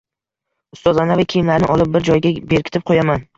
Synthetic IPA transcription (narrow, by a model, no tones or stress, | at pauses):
ʊst̪ɒzlanavɪkʲʰejɪmlaɾnɪʔɒlˠɪp̚bɪɾd͡ʒɒjɡʲabe̞ɾkʲɪ̥t̪ʰɪp̚qʰojaman